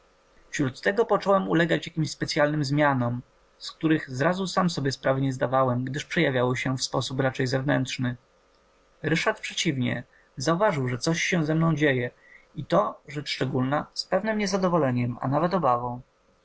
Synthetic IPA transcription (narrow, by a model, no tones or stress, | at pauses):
fɕɾut̪ːɛɡɔpɔt͡ʂɔwɛmulɛɡat͡ɕjakʲimɕspɛt̪sʲjalnɘmzmʲjanɔm | sk̚t̪uɾɘɣzɾazusamsɔbʲjɛspɾavɘɲɛzd̪avawɛmɡd̪ɘʂpʂɛjavʲjawɔɕɛfspɔsupɾat͡ʂɛjzɛvnɛnt̪ʂnɘ | ɾɘʂat̪̚pʂɛt͡ɕivɲɛ̰ | zauvaʐɘwʐɛt̪sɔɕːɛzɛmnɔ̃w̃d͡ʑejɛ | it̪ɔʐɛt͡ʂʂt͡ʂɛɡulnaspɛvnɛmɲɛzad̪ɔvɔlɛɲɛma̰navɛt̪ɔbavɔ̃w̃